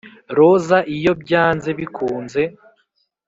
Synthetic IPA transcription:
ɾo̞zaʔijo̞bɟaːnze̞βikʰuːnze̞

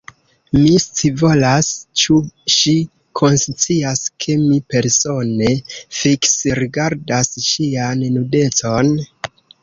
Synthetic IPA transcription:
mist͡sivo̞last͡ʃuʃi | kʰo̞nst͡siaskʰe̞mipe̞ɾso̞ne̞fiksiɾiɡaɾdasʃiannude̞t͡so̞n

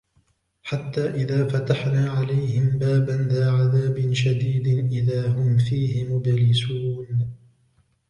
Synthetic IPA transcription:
ħat̪ːaːʔɪðaːfat̪aħnaːʕalajhɪmbaːbanðaːʕaðaːbɪnʃad̪iːd̪ɪnʔɪðaːhʊmfiːhɪmʊd̪ɾɪsuːn

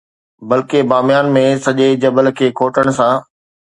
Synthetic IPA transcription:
bɐlkebaːmɪjaːnmẽsɐʄed͡ʑɐbəlkʰeːkʰoːʈəɽ̃sãː

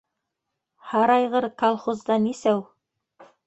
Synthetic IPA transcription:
hɑɾɑjʁɤɾkɑlˠχozd̪ɑnisæw

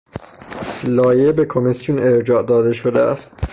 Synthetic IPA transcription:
lɒːjebe̞kʰo̞misjune̞ɾd͡ʒɒːd̪ɒːd̪e̞ʃod̪eæ̰st̪̚

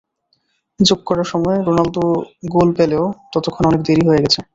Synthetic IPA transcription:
d͡ʑoɡ̚kːɔɾaɾʃɔmɔeɾonalt̪uɡolpeleot̪ɔt̪okʰːonɔnekd̪eɾiɦoeɡɛt͡ɕʰe

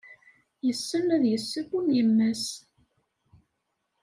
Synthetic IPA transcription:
jəsːənæðjəsːəfunjəmːəs

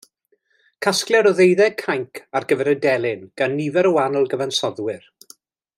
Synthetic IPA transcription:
kʰasklˠɛɾɔðejðɛkʰajŋkʰarɡəvɛɾədɛlˠɪnɡ̥anːivɛɾəwanəlˠɡəvansɔðwɪr

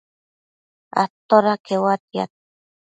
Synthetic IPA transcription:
a̰t̪oɾakʰewat̪ia̰t̪̚

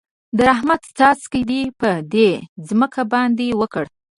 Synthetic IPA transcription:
d̪əɾaɦmat̪st̪ɑskəd̪ipəd̪ezməkʰabɑnd̪ewəkəɽ

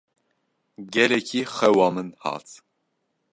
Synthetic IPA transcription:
ɡɛlɛkʰixɛwɑːmɨnhɑ̰ːt̪ʰ

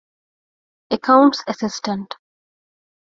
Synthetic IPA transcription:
əkʰãʊ̃ɳʈsəsɪsʈə̃ɳʈ

